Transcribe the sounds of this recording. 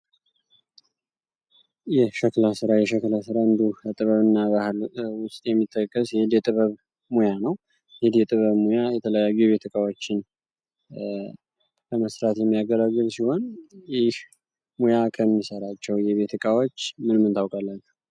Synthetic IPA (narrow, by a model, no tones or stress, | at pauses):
jɛʃəklasɨɾajɛʃəklasɨɾaɨnd̪uət̪ʼɨβəβɨnːaβahɨlwʊst̪ʼjɛmːit̪ʰːəkʼːəsjhɪd̪jɛt̪ʼɨβəβ | mojanəw | hed̪jɛt̪ʼɨβəβmojajɛt̪ʰələjajːujβe̞t̪ʰɨkʼawo̞t͡ʃːɪn | bəməsɾat̪jɛmːijaɡəlaɡːɨlsiho̞njɪh | mojakʰəmːisəɾat͡ʃːɛwjɛβe̞t̪ʰɨkʼawo̞t͡ʃːmɨnmɨnt̪ʰawkʼalːən